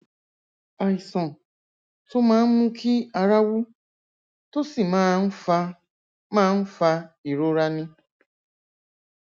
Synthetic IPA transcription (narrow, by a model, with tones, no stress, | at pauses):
a˨i˨sɔ˨ | tʊ˦ma˨˦mʊ˦kʰɪ˦a˨ɾa˦wu˦ | tʊ˦si˨m˨˦ | ma˦n̩˦fa˦i˨ɾo˦ɾa˦nɪ˦